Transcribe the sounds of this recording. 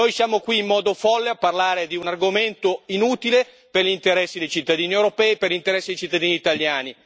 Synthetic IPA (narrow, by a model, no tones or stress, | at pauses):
nojsjaːmokwiːmːɔːd̪ofɔlːeapːarlaːɾed̪iunarɡoment̪oinuːt̪ile | perʎint̪eɾɛsːid̪ejt͡ʃit̪ːad̪iːniewɾopɛːiperʎint̪eɾɛsːid̪ejt͡ʃit̪ːad̪iːniːt̪aljaːni